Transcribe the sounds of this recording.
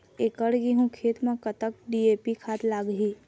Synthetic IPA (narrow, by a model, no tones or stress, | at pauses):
ekəɽɡiɦũkʰet̪mãkət̪ək̚ɖiepikʰat̪laɡɦĩ